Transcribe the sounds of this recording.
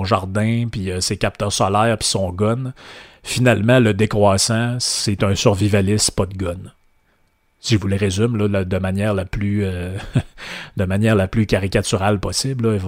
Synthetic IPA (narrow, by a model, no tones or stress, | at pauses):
ɔ̃ʒa̰ʁd̪ɛ̃piəsekap̚t̪œʁsɔlɛːʁpi̥sɔ̃ːɡɔnfinalmãləd̪ekʁwasãssɛt̪ɛ̃syʁvivalɪspɔd̪̚ɡɔn | siʒəvuləʁezymlɔləd̪əmanjɛːʁlaplyø | d̪əmanjɛːʁlaplykʲaʁikʲat̪yʁalpɔsɪblɔev